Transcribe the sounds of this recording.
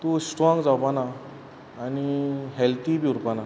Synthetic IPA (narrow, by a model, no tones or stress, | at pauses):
t̪usʈɾɔŋɡd͡zawpanaː | niɦelt̪ibiuɾpana